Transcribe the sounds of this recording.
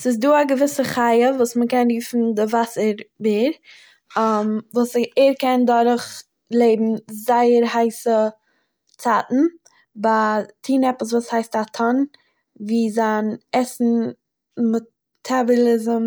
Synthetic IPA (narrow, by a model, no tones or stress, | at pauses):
sɪs̬duːaɡəvɪsəχaɪəvuːsməkɛnɾiːfn̩dɪvasəɾbiːɾ | mvuːseɾkɛndɔɾχ | lˠeɪbm̩zaɪəɾɦaɪsə | t͡satn̩ | batʰiːnɛpəs̬vuːshaɪstatʰɔn | viːzanɛsn̩ | mɔ | tʰabɔlˠɪzəm